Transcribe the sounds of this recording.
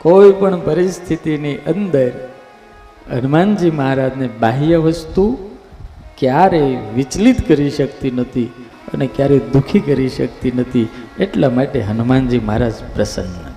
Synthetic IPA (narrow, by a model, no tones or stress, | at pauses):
koipəɳpəɾist̪ʰit̪iniʔə̃nd̪əɾ | ɦənmand͡ʒiməɦaɾad͡ʒnebaɦijəʋəst̪u | kjaɾeʋɪt͡ʃlit̪kəɾiʃəkt̪inət̪ʰi | ə̰nekjaɾed̪ukʰikəɾiʃəkt̪inət̪ʰieʈlamaʈeɦənmand͡ʒiməɦaɾad͡ʒpɾəsə̰ŋɡnə̰